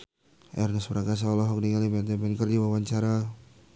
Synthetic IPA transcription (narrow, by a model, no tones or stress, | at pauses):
ɛrnəsbɾaɡas̬aɔlɔɦɔk̚niŋalibɛd̪ɛbɛnkərdiwawaɲt͡ʃaɾa